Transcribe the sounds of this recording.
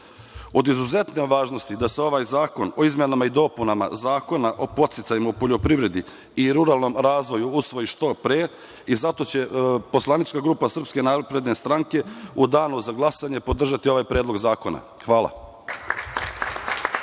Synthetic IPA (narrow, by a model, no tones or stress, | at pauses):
o̞d̪izuze̞t̪neʋaːʒno̞st̪id̪aseo̞ʋaːjzaːko̞no̞izmenamaid̪o̞punama̰zaːko̞naʔo̞pot̪sit̪sajimaupo̞ʎo̞pɾiʋɾe̞d̪i | iɾuɾaːlˠno̞mɾaːzʋo̞juusʋo̞jiʃt̪o̞pɾeː | izat̪o̞t͡ɕe̞po̞slˠanit͡ʃkaɡɾuːpasr̩pske̞naːpɾe̞d̪ne̞st̪ɾaŋke̞ud̪aːnuzaɡlˠasaɲepo̞d̪r̩ʒat̪io̞ʋaːjpɾeːd̪lo̞ɡzaːko̞na̰ | xʋaːla̰